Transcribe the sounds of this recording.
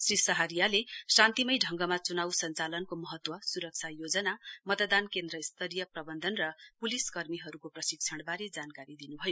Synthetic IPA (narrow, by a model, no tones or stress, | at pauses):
srisʌɦʌɾijalesant̪imʌjɖʱʌŋɡʌmat͡sunawsʌnt͡salʌnkomʌɦʌt̪wʌsuɾʌk̚t͡sʰajod͡zʌnamʌt̪d̪ankend̪rʌist̪ʰʌɾijʌprʌbʌnd̪ʱʌnrʌpuliskʌrmiɦʌɾukoprʌsik̚t͡sʰʌɽ̃baɾed͡zankaɾid̪inubʱʌjo